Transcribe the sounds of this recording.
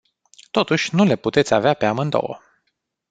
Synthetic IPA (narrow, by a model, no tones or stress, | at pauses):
t̪o̞t̪uʃʲnule̞put̪e̞t̪sʲaveapeamɨnd̪o̞̰wə̰